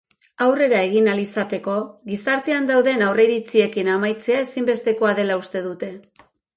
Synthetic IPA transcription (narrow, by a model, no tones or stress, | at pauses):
awre̞ɾae̞ɣ̞inalisat̪e̞ko̞ɣisaɾt̪e̞and̪awðe̞nawre̞iɾit͡sie̞kinamajt͡se̞ae̞simbe̞st̪e̞ko̞aðe̞laust̪e̞ðut̪e̞